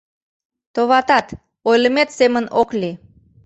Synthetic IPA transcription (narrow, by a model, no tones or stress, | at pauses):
t̪oβɑt̪ɑt̪ | ojləmet̪semənokli